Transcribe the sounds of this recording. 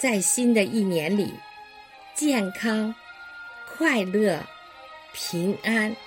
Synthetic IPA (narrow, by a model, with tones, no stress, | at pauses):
t͡sa˥˩ɪɕi˥nd̪ə˨ʔi˥˩njɛ˧˦˥nlḭ˨˩˦ | t͡ɕjɛ˥˩nkʰɑ˥ŋ | kʰwa˥˧ɪlɤ˥˩ | pʰi˧˥ŋa˥n